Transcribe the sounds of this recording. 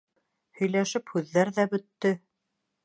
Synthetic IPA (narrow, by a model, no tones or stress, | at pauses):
hɵ̆jlæʃɘphʉðːæɾðæbɵ̆t̪ːɵ